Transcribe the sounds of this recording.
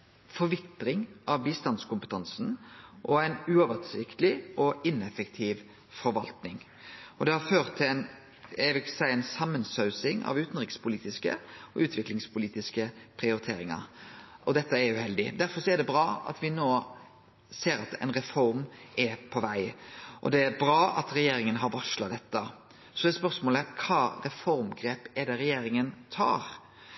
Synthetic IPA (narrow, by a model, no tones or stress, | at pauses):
fɔɾʋɪt̪ɾɪŋʔɑʋbiːst̪ɑnskʊmpət̪ʰɑnsn̩ʔɔæɪnʉɔʋəsɪkt̪əlɪʔɔʔɪnɛfəkt̪ʰiːʋ | fɔɾʋɑlt̪nɪŋ | ɔd̪ɛhɑɾføːʁt̪ʰːɪæɪn | æʋɪlksæɪəæɪnsɑmːənsœʉsɪŋɑ̰ʋʉːt̪n̩ʁɪkspʰʊliːt̪ɪskə̰ɔʔʉːt̪ʰʋɪklɪŋspʰʊliːt̪ɪskəpʰɾɪʊɾɪt̪ʰeːɾɪŋɑ̰ɾʔɔd̪ɛt̪ːəæɾʉhɛld̪ɪd̪æɾfɔɾsɔɛd̪ɛbɾɑːɑ̰t̪ʋɪnoː | seːɾɑt̪ɛ̰ɪnɾɛfɔɾmʔɛpʰɔʋæɪʔɔ̰d̪ɛæɾbɾɑːɑ̰t̪ɾɛjeːɾɪŋənɦɑɾʋɑʂlɑd̪ɛt̪ːə | sɔd̪ɛspœɾsmoːləkʰɑːɾɛfɔɾmɡɾeːpɛd̪ɛɾɛjeːɾɪŋənt̪ʰɑ̰ːɾ